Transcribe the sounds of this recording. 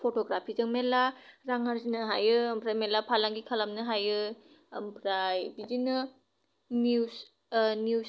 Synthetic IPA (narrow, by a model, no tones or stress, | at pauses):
pʰotoɡɾapʰizɯŋmelaɾaŋɦaɾzinɯɦajɯːmpʰɾajmelapʰalaŋɡikʰalamnɯɦajɯ | ɐmpʰɾajbid͡ʒinɯ | ni | niw